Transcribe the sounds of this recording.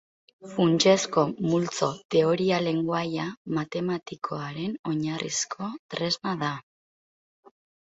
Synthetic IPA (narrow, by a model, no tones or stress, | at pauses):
funt͡ʃe̞sko̞mult͡so̞t̪e̞o̞ɾiale̞ŋɡwajamat̪e̞mat̪ikʰo̞aɾe̞no̞ɲarḭskʰo̞t̪ɾe̞zmaða